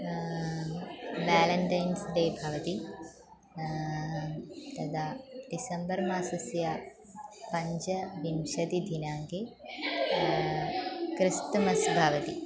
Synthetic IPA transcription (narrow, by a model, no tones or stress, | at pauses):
ʋaːlɐɳʈɐjnsd̪eːbʱaːʋɐt̪i | t̪ɐd̪ʰaːɖisɐmbɐɾmaːsɐsja | pɐɲd͡ʒɐʋimʃɐd̪id̪ʱinaːŋɡe | kɾist̪ɐmɐsbʱaːʋɐt̪i